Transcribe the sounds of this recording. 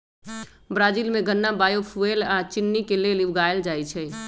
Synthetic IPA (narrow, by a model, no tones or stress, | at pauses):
bɾaːd͡ʒiːlmẽɡənːabaːjopʰuelaːt͡ʃɪnːikeleːliʋɡaːeld͡ʒaːit͡ʃʰɛː